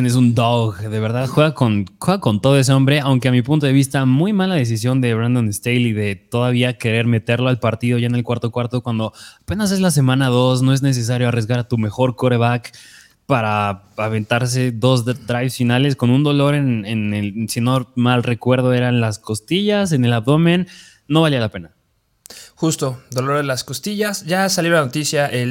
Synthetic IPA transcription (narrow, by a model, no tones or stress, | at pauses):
jenes̬und̪oɣðe̞β̞e̞ɾðaðxwe̞ɣako̞nxweɣako̞nt̪o̞ðo̞es̬eõ̞mbɾe̞awŋke̞amipunt̪̬o̞ðe̞βist̪amujmalaðe̞s̬is̬jo̞nd̪e̞βɾand̪o̞nest̪ejliðe̞t̪o̞ðaβ̞iake̞ɾe̞ɾme̞t̪e̞ɾlo̞alpaɾt̪iðoʝaene̞lkwaɾt̪o̞kwaɾt̪o̞kwand̪o̞ape̞nas̬e̞zlas̬e̞mãnaðo̞sno̞e̞zne̞s̬e̞s̬aɾjo̞arjezɣaɾat̪ume̞xo̞ɾkoɾeβak | paɾaaβe̞nt̪aɾs̬e̞ðo̞zd̪ɾajβsfinale̞sko̞nũnd̪o̞lo̞ɾe̞nenelsino̞malre̞kwe̞ɾð̞o̞e̞ɾanlasko̞st̪iʝase̞ne̞laβðo̞mẽnː | o̞βalialape̞na | xust̪o̞d̪o̞lo̞ɾðelasko̞st̪iʝasʝasaljolano̞t̪isjaʔe